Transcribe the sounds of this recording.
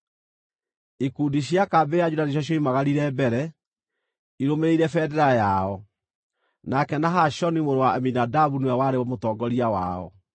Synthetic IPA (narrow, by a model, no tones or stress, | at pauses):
ikuːdiɕjakabead͡ʒudaniɕ̬ɔɕ̬jɔimaɣaɾiɾɛbɛɾɛ | iɾomeɾeiɾɛfɛdɛɾajaɔ | nakɛnaɦaɕɔnimoɾowaɛminadaβuniwɛwaɾewɔmotɔːɡɔɾiawa̰ɔ̰